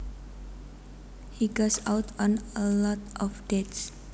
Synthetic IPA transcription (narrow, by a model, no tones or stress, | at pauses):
hiɡosawtʰɔ̃nəlɔtɔfdets